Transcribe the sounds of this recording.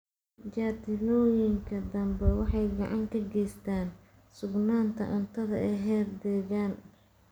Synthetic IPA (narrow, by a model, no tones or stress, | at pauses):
d͡ʒaːt̪ɪlɔːjɪŋkʰɐd̪ɐmbɛwɑħɑjɡɑ̰ʕɑŋkʰɐɡɛjst̪ʰaːn | sʊɡnaːnt̪ʰɐ̰ʔʊnt̪ʰɐðɐɛɦɛːrd̪ɛːɣaːn